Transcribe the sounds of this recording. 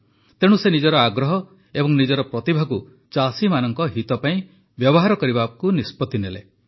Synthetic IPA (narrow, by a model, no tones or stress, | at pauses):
t̪eɽ̃usenid͡ʒɔɾɔaɡɾɔɦɔ | ebɔŋnid͡ʒɔɾɔpɾɔt̪ibʱaɡu | t͡ʃasimanɔŋkɔɦit̪ɔpaĩ | bjɔbɔɦaɾɔkɔɾibakunispɔt̪inele